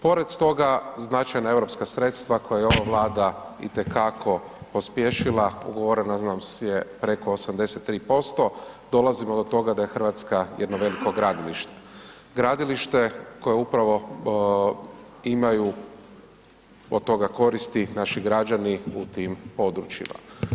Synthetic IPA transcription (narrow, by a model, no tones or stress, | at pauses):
po̞ɾe̞d̪t̪o̞ɡaznat͡ʃajnae̞vɾo̞pskasɾe̞t̪st̪ʋako̞jajeo̞ʋaʋlˠaːd̪aḭt̪e̞kakʰo̞ | po̞spjeʃilaṵɡoʋoɾenaznamsjepɾe̞ko̞ːsamd̪e̞se̞t̪ːɾiːpo̞st̪o̞d̪o̞lazimo̞d̪ot̪o̞ɡad̪ajexr̩ʋat̪skajed̪noʋe̞liko̞ɡɾaːd̪iliʃt̪e | ɡɾad̪iliʃt̪e̞ko̞jeupɾaʋo̞ | imaju | od̪̚t̪ːo̞ɡako̞ɾist̪inaʃiɡɾad͡ʒaniut̪impo̞d̪ɾut͡ʃḭma̰